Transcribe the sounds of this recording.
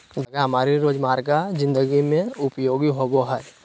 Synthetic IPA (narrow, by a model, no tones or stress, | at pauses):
d͡ʒɐɡaɦɐmaːɾiɾoːd͡ʒmaːɾɡad͡ʒɪ̃nd̪əɡimẽʊpjoːɡiɦoboɦɛː